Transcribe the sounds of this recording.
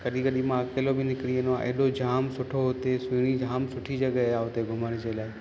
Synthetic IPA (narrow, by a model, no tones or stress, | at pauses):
kəɗĩkəɗimãkeːlobɪnɪkɽienoãʔḛːɗod͡ʒʱaːmsʊʈʰoɦʊt̪esuɽ̃id͡ʒʱaːmsʊʈʰid͡ʒəɠəaːɦʊt̪eɡʱʊməɽd͡ʒelaːɪ